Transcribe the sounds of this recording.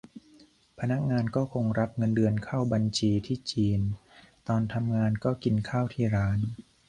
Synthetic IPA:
pʰa˧na˦˥k̚ŋaː˧nkɔː˥˩kʰo˧ŋɾa˦˥p̚ŋɤ˧ndɯ˧ənkʰaː˥˩wba˧nt͡ɕʰiː˧t̪ʰiː˥˩t͡ɕiː˧nt̪ɔː˧nt̪ʰa˧mŋaː˧nkɔː˥˩ki˧nkʰaː˥˩wt̪ʰiː˥˩ɾaː˦˥n

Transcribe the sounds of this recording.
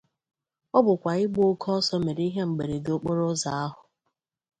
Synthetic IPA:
ɔ˦bʊ˨kʷa˨ɪ˦ɡ͡bo˦kʰɔ˦sɔ˦me˨ɾi˦ɦe˦ŋ͡m̩˨ɡ͡be˨ɾe˨do˦k͡po˦ɾʊ˦za˨a˦ɦʊ˨

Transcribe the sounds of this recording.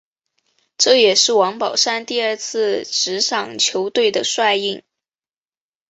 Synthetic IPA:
ʈ͡ʂɤ˥˩jɛ˨˩ʂɻ̩˥˩wɑ˧˥ŋpɑ˨˩ʊʂa˥˧nt̪i˥˧ə˞˥˧t͡sʰɹ̩˥˧ʈ͡ʂɻ̩˧˥ʂɑ˨˩ŋt͡ɕʰjo˧˥ʊt̪we˥˩ɪd̪ə˩ʂwa˥˧ɪi˥˩ŋ

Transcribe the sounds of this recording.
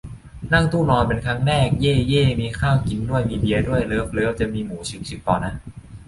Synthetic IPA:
na˥˩ŋt̪ʰuː˥˩lɔː˧pe˧nkʰa˦˥ŋnɛː˥˩k̚jeː˥˩jeː˥˩miː˧kʰaː˥˩wki˧nːu˥˩əjmiː˧bi˧ɐdu˥˩əjlɤː˦˥p̚lɤː˦˥w̚t͡ɕa˨˩miː˧muː˩˦t͡ɕʰɯ˨˦˥k̚t͡ɕʰi˨˦t̚p̪ɔː˨˩na˦˥ʔ

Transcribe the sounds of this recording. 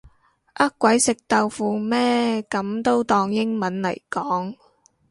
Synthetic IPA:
ʔɐ˥kkʷːɐ˨˥jsɪ˨k̚t̪ɐ˨˧wfuː˨mɛː˥kɐ˨˥mt̪o˥wt̪ɔː˧ŋjɪ˥ŋmɐ˨˥nlɐ̰˨˩jkɔː˨˥ŋ

